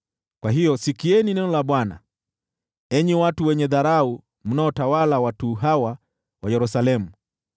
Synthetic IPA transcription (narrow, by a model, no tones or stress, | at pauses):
kwaɦijɔsikiɛninɛnɔlaɓwana̰ | ɛɲiwatuwɛɲɛðaɾau | m̩naɔtawalawatuɦawa | wajɛɾusalɛmu